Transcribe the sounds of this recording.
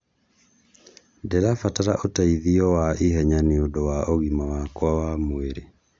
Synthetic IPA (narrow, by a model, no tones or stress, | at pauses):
ndɛɾafataɾaʔotaiðiɔwaiɦɛɲaniodowaʔoɣimawakwawamweɾe